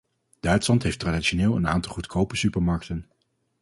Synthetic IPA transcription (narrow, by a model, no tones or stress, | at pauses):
d̥œɥtslɑntɦejftraːdiʃonɪːlˠəna̰ːntɑlˠχutkʰowpəsypəɹmɑɹk̚tən